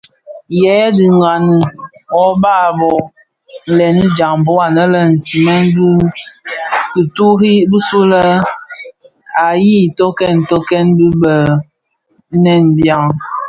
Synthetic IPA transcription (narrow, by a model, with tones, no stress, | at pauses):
jɛ˨˦di˨ŋ˨ɡa˨ni˨ɔ˨ba˦˨bɔ˨ | n̩˨lɛ˨ni˦d͡ʒa˨ŋ˨bɔ˦a˨nə˦lə˦n̩˨si˨mɛ˦nbi˦ | bi˨tu˦hi˦bu˦su˦lə˦ | a˨ji˦˨tɔ˦kɛ˦˨n˨tɔ˦kɛ˦nbi˦bə˨˦ | nɛ˦˨nbja˦ŋ